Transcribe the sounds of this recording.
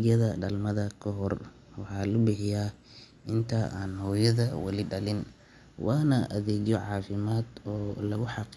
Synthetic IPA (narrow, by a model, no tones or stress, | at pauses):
ɐðɐɖɐlmɐðɐkʰɔɦɔr | wɑħɑːlʊbɪħɪjaː | ʔɪnt̪ʰɐʔaːnhɔːjɐðɐwɐ̰lɪɖɐlɪn | wɑːnɐʔɐðɛːɣjɔʕɑːfɪmaːd̪ɔːlɐɣʊħɑq